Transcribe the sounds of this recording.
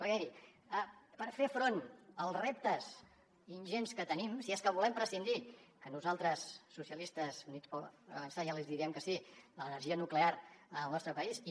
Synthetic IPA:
pəɾkɛiɾi | əpəɾfefɾonəlˠzrep̚t̪əz | inʲʒenskət̪ənimsieskəβulɛmpɾəsind̪ikənuzalˠt̪ɾəsːusiəlist̪əzunispɔə̰βənsajalizðiɾiəmkəsilənəɾʒiənukleaɾəəlˠnɔst̪ɾəpəisi

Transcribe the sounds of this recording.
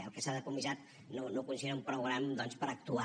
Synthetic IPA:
ə̰lˠkəsaðəkumizat̪̚ | nonokunsienaumpɾuɣɾamd̪ɔnspəɾək̚t̪ua

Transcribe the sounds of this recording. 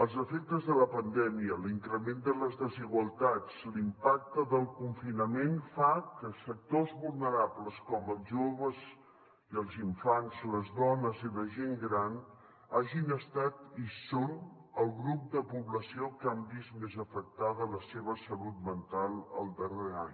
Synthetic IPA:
əlˠzəfek̚t̪əzðələpənd̪ɛmiəliŋkɾəmend̪ələzðəziɣwəlˠt̪at͡slimpak̚t̪əðəlˠkuɱfinəmenfakəsək̚t̪ozβulˠnəɾapləskɔməlˠzʒoβəz | iəlˠziɱfanzləzðɔnəziləʒeŋɡɾan | aʒinəst̪at̪isonəlˠɣɾup̚d̪əpuβləsiokambizmezəfək̚t̪aðələseβ̞əsəlut̪̚mənt̪alˠə̰lˠd̪əreaɲ

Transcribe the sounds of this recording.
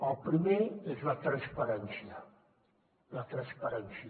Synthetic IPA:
əlpɾimeezlat̪ɾãnspaɾɛnsia | lat̪ɾãnspaɾɛnsia

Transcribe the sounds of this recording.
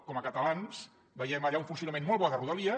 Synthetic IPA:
kɔməkət̪əlans | bəjɛməʎaunfunsiunəmenmɔlˠβɔðəruðəliə

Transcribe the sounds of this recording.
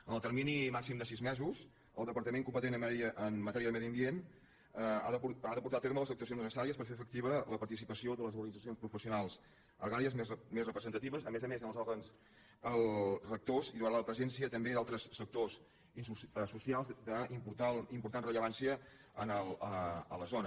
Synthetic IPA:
ənəlˠt̪əɾminimaksimd̪əsizmɛzuz | ə̰lˠd̪əpəɾt̪əmeŋkumpət̪enəəʔənmət̪ɛɾiəðəmɛðiəmbien | əa̰ðəpuaðəpuɾt̪at̪eɾmələzək̚t̪uəsionəsəsaɾiəspəɾfeəfək̚t̪iβ̞ələpəɾt̪isipəsioðələzuɾɣənid͡zəsionspɾufəsiunalˠs | ə̰ɣaɾiəzmemezrəpɾəzənt̪ət̪iβəzəmezəmezənəlˠzɔɾɣəns | əlˠrək̚t̪oziðuəɾaləpɾəzɛnsiət̪əmbeðalˠt̪ɾəsːək̚t̪oz | inuəsusialˠzd̪əimpuɾt̪aimpuɾt̪anrəʎəβansiə | ənələə̰ləzonə

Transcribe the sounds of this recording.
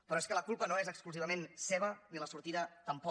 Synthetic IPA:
pɾɔeskələkulˠpənoezəkskluziβəmenseβ̞əniləsuɾt̪iðət̪əmpɔ

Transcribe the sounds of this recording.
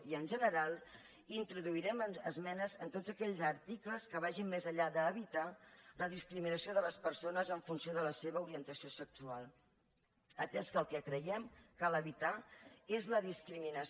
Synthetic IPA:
iənʲʒənəɾalˠ | int̪ɾuðuiɾɛmənəzmɛnəzənt̪odd͡zzəkɛʎzəɾt̪ikləskəβ̞aʒimmezəʎaðəːβit̪aləðiskɾiminəsioðələspəɾsonəzəɱfunsioðələseβəuɾiənt̪əsiosəksualˠ | ət̪ɛskəlˠkɛkɾəjɛmkaləβit̪aezləðiskɾiminə

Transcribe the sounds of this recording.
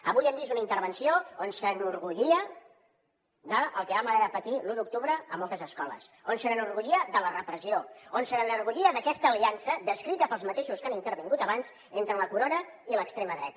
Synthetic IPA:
əβujəmbizunəint̪əɾβənsioonsənuɾɣuʎiə | d̪əəlˠkəβaməɾaɾapət̪iluðuk̚t̪uβɾəəmolˠt̪əzəskɔlə̰sonsənənuɾɣuʎiəd̪ələrəpɾəsioonsənənuɾɣuʎiəðəkɛst̪əːliansəd̪əskɾit̪əpəlˠzmət̪eʃuskanint̪əɾβiŋɡut̪əβanz | ent̪ɾələkuɾonəiləkst̪ɾeməðɾɛt̪ə

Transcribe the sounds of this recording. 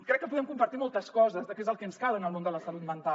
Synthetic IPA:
kɾɛkːəp̬uðɛmkumpɐɾt̪imɔlˠt̪əskɔzəzðəkezəlˠkənskalənəlˠmond̪ələsəlut̪̚mənt̪a

